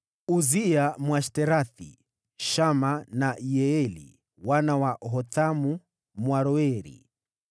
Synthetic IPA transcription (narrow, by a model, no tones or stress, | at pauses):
uziamwaʃtɛɾaθḭ | ʃamanajɛɛlḭ | wanawaʔɦɔt̪amu | mwaɾɔɛɾḭ